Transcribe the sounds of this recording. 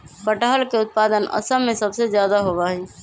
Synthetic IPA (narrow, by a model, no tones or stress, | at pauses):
pəʈaɦəlkeʊt̪̚paːd̪ənʔə̰səmẽsəbsezjaːd̪aɦobaɦi